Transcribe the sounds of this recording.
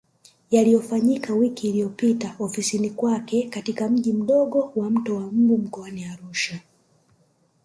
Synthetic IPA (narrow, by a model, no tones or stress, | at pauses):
jalijɔfaɲikawikiːlijɔpitaɔfisinikwakɛkatikam̩ʄim̩ɗɔɠɔwam̩tɔwam̩ɡum̩kɔaniaɾuʃa